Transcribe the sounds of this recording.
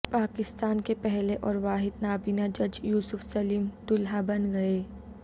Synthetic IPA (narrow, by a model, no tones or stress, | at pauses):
paːkɪst̪aːnkepɛɦleʔɔːɾʋaːɦɪd̪naːbinad͡ʒɐd͡ʒjuːsʊfsɐliːmt̪ʊlɦabɐnɡɐeː